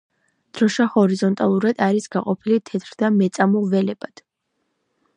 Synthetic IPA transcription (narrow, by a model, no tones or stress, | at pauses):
d̪̥ɾɔʃahɔɾizɔnt̪ʼalˠuɾad̪aɾisɡaqʼɔpʰilit̪ʰɛt̪ʰɾd̪amɛt̪sʼamɔvɛlɛbad̪̥